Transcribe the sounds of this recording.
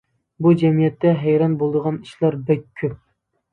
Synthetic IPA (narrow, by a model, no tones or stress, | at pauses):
bud͡ʒɛmijɛt̪ːɛɦɛjɾɑnbolˠd̪əʁɑniʃlɑɾbɛk̚ʲʰːøp̚